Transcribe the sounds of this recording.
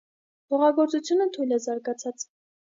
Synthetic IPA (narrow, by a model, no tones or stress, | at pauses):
pʰɔʁɑɡɔɾt͡sut͡sʰjunət̪ʰujlɛzɑɾɡɑt͡sʰɑt͡s